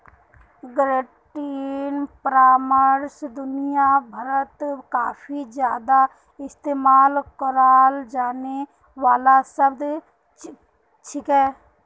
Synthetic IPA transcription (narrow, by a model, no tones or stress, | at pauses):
ɡɾeʈiːnpəɾaːməɾsd̪ʊnɪjabʱəɾət̪kaːpʰid͡ʒjaːd̪a | ɪst̪eːmaːlkəɾaːld͡ʒaːne | ʋaːlasəbd̪ | ʈʰikɛː